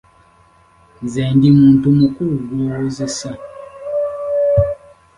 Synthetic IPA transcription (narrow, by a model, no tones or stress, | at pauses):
nzɛndimũntumukuɡowzisa